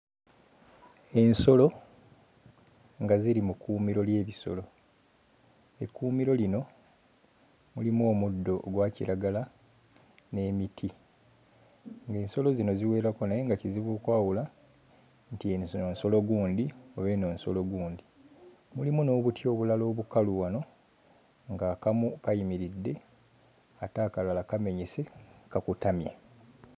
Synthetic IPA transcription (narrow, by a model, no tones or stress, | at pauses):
e̞nso̞lo̞ | ŋɡaziɾimukuːmiɾo̞lje̞ːβiso̞̰lo̞ | ekːuːmiɾo̞lino̞ | mulimo̞ːmudːo̞ɡwaːcḭɾaɡala | ne̞ːmitʰi | ŋɡe̞ːnso̞lo̞zino̞ziwe̞ːɾakonajeŋɡaciziβuːkwaːwula | ntieonso̞lo̞ɡuːndioβe̞no̞ːnso̞̰lo̞ɡuːndi | mulimuno̞ːβutʰjo̞ːβulalo̞ːβukaluwano̞ | ŋɡaːkamukajimiɾidːe̞ | ataːkalalakame̞ɲese̞kakutamja̰